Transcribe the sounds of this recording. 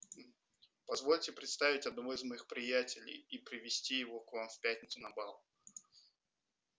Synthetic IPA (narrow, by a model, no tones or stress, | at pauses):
pɐzvo̞lʲtʲɪpɾʲɪt̪st̪avʲɪtʲɐd̪nɐvoɪzmɐjixpɾʲɪjætʲɪlʲɪ̰jipɾʲɪvʲɪsʲtʲijɪvokvamfpʲætʲnʲɪt̪sʊnɐbalˠ